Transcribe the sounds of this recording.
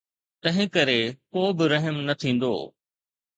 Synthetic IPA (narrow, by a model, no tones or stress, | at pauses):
t̪ɐ̃ɦɪ̃kɐɾekoːbɪɾɐɦəmnɐt̪ʰĩːn̆d̪o̰ː